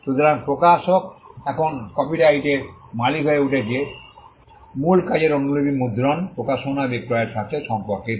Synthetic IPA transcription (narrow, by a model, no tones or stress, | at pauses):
ʃut̪ʰoɾaŋpɾokaʃokɛkʰonkɔpiʈajʈemalikɦoeuʈʰed͡ʑie | mulkad͡ʑeɾonulobimud̪ʱɾɔnpɾokaʃonabekɾɔeɾt̪ʰakt͡ɕʰeʃɔmpɔɾke